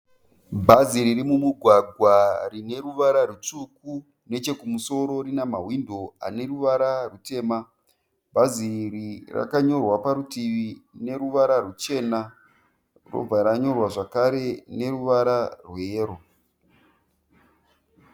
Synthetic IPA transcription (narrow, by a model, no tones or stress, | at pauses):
bʱaziɾiɾimumuɡʱwaɡʱwarine̞ɾuʋaɾarut͡ʂuku | ne̞t͡ʃe̞kumuso̞ɾo̞ɾinamaɦwindʱo̞a̰ne̞ruʋaɾarute̞ːma | bʱaziɾira̰kaɲo̞rwapaɾutiʋine̞ɾuʋaɾarut͡ʃe̞ːna | ro̰b͡vaɾaɲo̞rwaʐakaɾe̞ne̞ɾuʋaɾarweːɾo